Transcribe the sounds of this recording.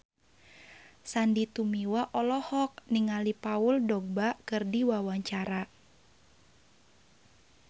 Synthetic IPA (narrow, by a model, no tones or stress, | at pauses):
sandit̪umiwaʔɔlɔhɔk̚niŋalipaʊldɔɡ̚bakɨrdiwawaɲt͡ʃaɾa